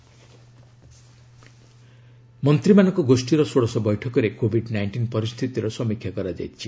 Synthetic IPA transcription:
mʌnt̪ɾimanɔkoɡosʈiɾɔsoɽɔsɔbɔjʈʰɔkɔɾekobʱiɖnajɳʈinpɔɾist̪ʰit̪iɾɔsʌmikʰjakɔɾad͡ʒa̰jt̪t͡ʃʰi

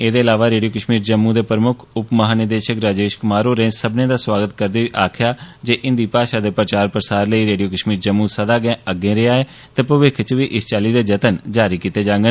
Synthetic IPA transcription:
eːd̪eːɪlaːʋaːɾeːɖijoːkəʃmiːɾd͡ʒəmːũːd̪eːpɾəmʊkʰʊpməɦaːnɪd̪eːʃəkɾaːd͡ʒeːʃkʊmaːɾoːɾẽːsəbnẽːd̪aːswaːɡət̪kəɾd̪eːʋiːʔaːkʰjaːd͡ʒeːʔɪ̃nd̪iːpaːʃaːd̪eːpɾət͡ʃaːɾpɾəsaːɾləiːɾeːɖijoːkəʃmiːɾd͡ʒəmːũsəd̪aːɡɛ̃ːəɡẽːɾeaːeː | t̪eːpəʋɪkʰt͡ʃʋiːʔɪst͡ʃaːliːd̪eːd͡ʒət̪ənd͡ʒaːɾiːkiːt̪eːd͡ʒãːŋɡən

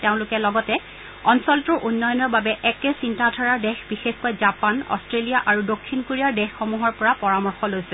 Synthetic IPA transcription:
teʊ̃lʊkɛlɔɡɔtɛ | ɔnsɔltʊɹʔunːɔjɔnɔɹbabɛʔɛkɛsintatʰaɹaɹdɛxbixexkojzapanɔ̰stɹelijaʔaɹudokʰːinkoɹiaɹdɛxːomuɦɔɹpɔɹapɔɹamɔɹxɔlojsɛ

